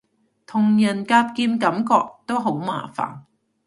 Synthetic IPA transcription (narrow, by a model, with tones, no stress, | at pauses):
t̪ʰʊ˨˩ŋjɐ˨˩nkaː˧p̚kiː˧mkɐ˨˥mkɔː˧k̚t̪o˥wɦo˨˥wma̰ː˨˩fa̰ː˨˩n